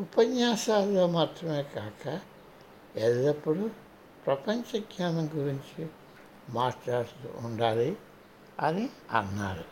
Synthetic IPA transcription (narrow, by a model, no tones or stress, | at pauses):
upɐɲːaːʃaːlːoːmaːt̪ɾɐme̞ːkaːkɐ | eðd̪ɐpːuɽu | pɾɐpɐɲt͡ʃɐɡɲaːnɐŋɡuɾiɲt͡ʃi | maːʈt͡ʃaːɽt̪ṵuɳɖaːli | ɐniɐ̰nːa̰ːɾu